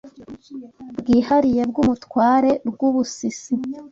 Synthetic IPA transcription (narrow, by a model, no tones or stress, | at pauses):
bɡiːhaɾije̞bɡumutkwaːɾe̞ɾɡuβusisi